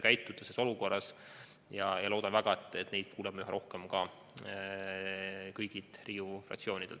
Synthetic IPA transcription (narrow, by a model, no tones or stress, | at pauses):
kæjt̪ːˑud̪̥ɑseso̞luko̞rːɑs | jɑjɑlo̞ːd̪̥ɑnvæɡ̥ɑet̪ːˑet̪ːne̞jd̪̥̚kʰuːleb̥mɑjuɦeɾo̞hkemkɑ | kɤjɡ̥it̪ˑriːufrɑ̰kt̪sio̞ːnʲid̪̥elt̪